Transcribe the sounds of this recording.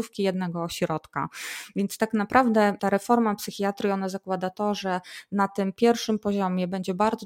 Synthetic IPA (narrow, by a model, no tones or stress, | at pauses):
ufkʲijɛd̪nɛɡɔɕɾɔt̪ka̰vʲjɛnt̪st̪aknapɾʔavd̪ɛt̪aɾɛfɔɾmapsɘxʲiat̪ɾʲiɔnazakwad̪at̪ɔʐɛnat̪ɘmpʲjɛɾfʂɘmpɔʑɔmʲjɛbɛɲd͡ʑɛbaɾd̪zɔ